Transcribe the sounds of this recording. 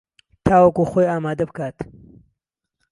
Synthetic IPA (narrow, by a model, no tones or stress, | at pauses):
t̪ʰaːwɐkuxoːjaːmaːd̪ɐbkaːt̪